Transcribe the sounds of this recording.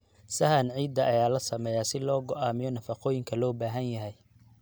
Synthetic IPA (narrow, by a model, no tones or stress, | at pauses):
sɐhɐnʕiːd̪ːɐʔɐjaːlɐsɐmɛːjaːsɪlɔːɡɔʔaːmɪjɔnɐfɑqɔːjɪŋkʰɐlɔːbaːɦɐnjɐɦɛj